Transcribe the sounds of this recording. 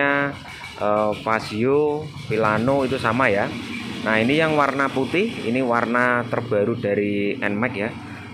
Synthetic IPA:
a | ʔəpasiopilanoit̪usamajanainijaŋwarnaput̪ɪhḭniwarnat̪ərb̥a̤ɾud̥a̤ɾiɛ̰nmɛkja

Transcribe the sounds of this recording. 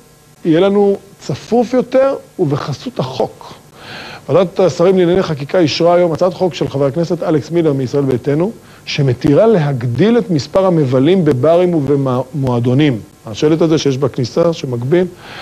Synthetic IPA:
ijelanut͡safufjo̞te̞ʁuveχasuthaχo̞k | vadat̪t̪asaʁimlinaneχakikaiʃʁaːjo̞mat͡sat̪χo̞kʃelχavakne̞se̞t̪aleksmileʁmiisʁae̞lbet̪e̞nu | ʃe̞me̞t̪iʁale̞ɦaɡd̪ile̞t̪mispaʁhame̞valimbe̞baʁimvemoad̪o̞nim | aʃelet̪hazeʃejeʃbaknisaʃemaɡbil

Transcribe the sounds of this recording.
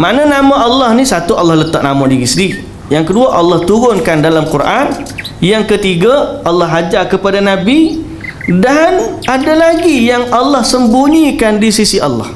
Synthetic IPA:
manənamãɑlːɑhnisat̪uɑlːɑhlət̪aʔ̚namãdiɣisədii | jaŋkəduaʔɑlːɑht̪uɾʊnkandalamkuɾʔan | jaŋkət̪iɡaɑlːɑɦad͡ʒakəpadanabi | danadalaɡijaŋɑlːɑhsəmbuɲikandisisiɑlːɑ̰h

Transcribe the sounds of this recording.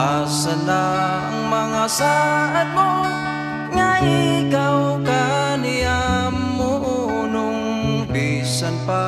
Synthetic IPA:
asat̪a | əŋmaŋasaʔat̪̚mo | ŋaikawkania | mː | u | nʊŋ | pisanpa

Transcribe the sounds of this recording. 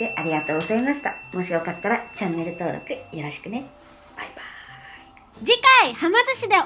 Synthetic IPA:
e̞ʔaɾʲiɡat̪o̞ːɡozaimaɕi̥t̪amo̞ɕio̞kat̪ːaɾat͡ɕãnːe̞ɾɯ̟t̪o̞ːɾo̞̰kɯ̟jɯɾo̞ɕi̥kɯ̟ne̞ | b̥aib̥ai | d͡ʑikaihamazɨɕid̪e

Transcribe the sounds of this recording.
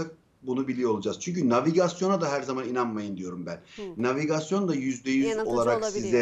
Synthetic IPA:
ak̚ | bunubilʲijo̞lˠud͡ʒaz̥t͡ʃʰyɲcynaviɡasjo̞nad̪aɦæɾzamaninanmajɯnd̪ijo̞ɾumbænːaviɡasjo̞nd̪ajyzd̪ɛjyzo̞lˠaɾaksizɛ

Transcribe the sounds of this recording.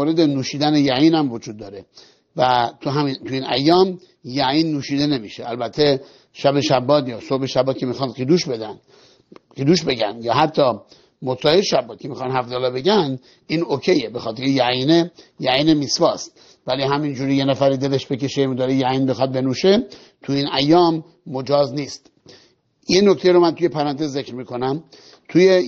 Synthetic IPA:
oːɾed̪enuːʃiːd̪ænejæiːnhæmvod͡ʒuːd̪ːɒːɾe | væt̪ʰuɦæmit̪ʰujiːnæjːɒːm | jæiːnːuːʃiːd̪e̞ne̞miʃeælbæt̪ʰːe | ʃæbeʃæbːɒːd̪jɒːsobeʃæbːɒːt̪kʰʲemixɑːnd̪ɡid̪uːʃbed̪æn | ɡid̪uːʃbe̞ɡænd̪jɒːɦæt̪ʰːɒː | mosɒːjeʃæbːɒt̪̚kʰemixɑnhæfd̪ɑːlɑbe̞ɟænd̪ | iːnokʰejebe̞xɒːt̪ʰeɾejæinejæiːnemisvɒːst̪ | vælihæmind͡ʒuːɾijenæfæɾid̪e̞le̞ʃbeke̞ʃemud̪ɒːɾejæiːnbexɒt̪̚be̞nuːʃe | t̪ʰuiːnæjːɒːmː | od͡ʒɒːzniːst̪ | jenoct̪ejɾomænt̪ʰujepʰæɾænt̪ʰezekɾmiːkʰo̞næm | t̪ʰuje

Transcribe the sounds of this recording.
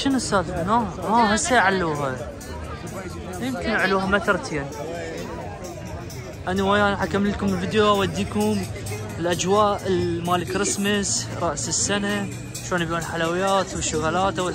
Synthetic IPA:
ʃɪnʊsaːt̪ːnamaɦasajʕalːuːɦa | jɪmkɪnaʕaluːhamat̪ɾˤt̪ʰeːn | ʔanawajaːnħakamlkʊmɪlvid̪joʔawad̪ːiːkʊm | ɪlʔad͡ʒwaːʔɪlmaːlkɾɪsmɪsɾˤɑʔsɪsːana | ʃoːnbjuːnħalawɪjaːt̪wɪʃːʊɣalaːt̪aw

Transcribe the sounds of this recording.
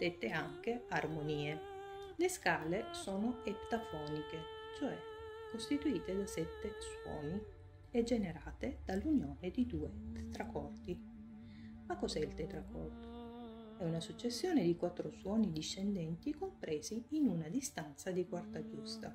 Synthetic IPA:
d̪̥et̪ːeaŋk̟earmoniːe | leskaːlesoːnoept̪afɔːniket͡ʃoɛkːost̪it̪uiːt̪ed̪asɛt̪ːeswɔ̰ːni | ɛd͡ʒːeneɾaːt̪ed̪̥alːunjoːned̪id̪uːet̪e̥t̪ɾakɔrt̪i | makːozɛilt̪et̪ɾakʰɔrt̪o̥ | ɛunasut͡ʃːesːjoːned̪ikwat̪ːɾoswɔːnid̪iʃːend̪ɛnt̪ikompɾeːziːnunad̪ist̪ant̪sad̪ikwart̪ad͡ʒust̪a

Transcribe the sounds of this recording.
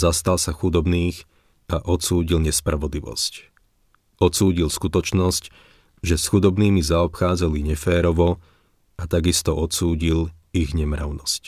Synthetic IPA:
zast̪alsaxud̪ɔbniːx | ʔaʔɔtsuːɟilɲɛspɾaʋɔd̪liʋɔ̰sc | ɔt̪suːɟilskut̪ɔt͡ʃnɔsc | ʒɛsxud̪ɔbniːmizaɔpxaːd͡zaliɲɛfɛːɾɔʋɔ | at̪aɡist̪ɔʔɔtsuːɟil | iɣɲɛmɾa̰ʊnɔsc

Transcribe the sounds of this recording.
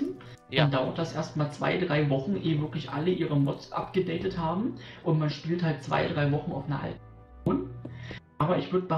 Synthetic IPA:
n̩ | mandaʊɐt̚d̥asʔeːɐst̚maːlt͡sv̥a̰ɪdʁaɪvɔχn̩ʔeːvɪɐklɪçʔa̰ləʔiːʁəmɔt͡sʔa̰pɡ̥ədɛɪtəthaːbm̩ʔʊntmanʃpiːlthalt̚t͡sv̥a̰ɪdʁaɪvɔχn̩a̰ʊfnɐʔa̰l | oːn | ʔaːbɐɪçv̥ʏɐdəbə

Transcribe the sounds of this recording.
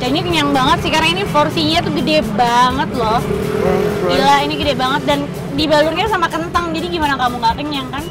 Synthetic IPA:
d͡ʒainikəɲaŋbaŋət̪sihkaɾaŋiniforsiɲat̪uɡədɛbaŋət̪̚lɔh | ilainiɡədɛbaŋət̪̚dan | dibalʊrɲasamakənt̪əŋd͡ʒadiɡimanakamuŋɡakəɲaŋkan

